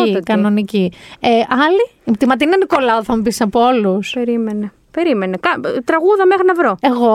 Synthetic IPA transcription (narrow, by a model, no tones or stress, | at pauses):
ikɐno̞nicieʔɐliipt̪imɐt̪̬inɐniko̞lɐoθɐmupisɐpoo̞luseɾimene | pe̞ɾimenekɐt̪ɾɐɣuðɐmexɾinɐvɾo̞e̞ɣo